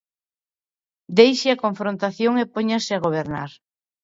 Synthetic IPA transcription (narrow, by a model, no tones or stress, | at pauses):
d̪ejʃɪɐkoɱfɾõnt̪aθjoŋepoɲasɪaɣ̞oβ̞eɾna̰ɾ